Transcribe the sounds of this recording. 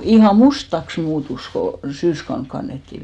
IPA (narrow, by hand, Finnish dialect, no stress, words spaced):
ihɑˑ mustɑks muːtus ko syːskɑun kɑnːetːi